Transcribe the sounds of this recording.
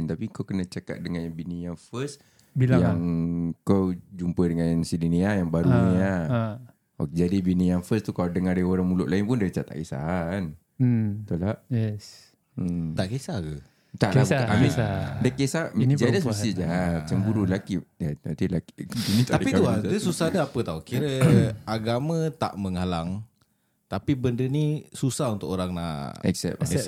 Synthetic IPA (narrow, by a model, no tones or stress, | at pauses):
nt̪apikawkənət͡ʃaka̰t̪̚dəŋanjbinijaŋfəs | biljaŋkawd͡ʒumpədəŋãnnsidiniajaŋbaɾuɲia | okd͡ʒadibinijaŋfəst̪ukaladəŋadaoɾaŋmulʊʔlaɪnpʊndat͡ʃat̪a̰ʔkesa̰aan | t̪ulahjɛ | m̩t̪aʔkesaɡə | t̪aʔabaʔamidəkesad͡ʒaləsəsid͡ʒamat͡ʃamɡuɾulakijaat̪ilaki̥binĩt̪at̪apiuadəsusadaapət̪aukiɾəaɡamə̃t̪a̰ʔməŋalaŋ | t̪apibəndənisusaɦunt̪ʊkoɾaŋna̰ɛ̰ksɛ̰p̚ɛ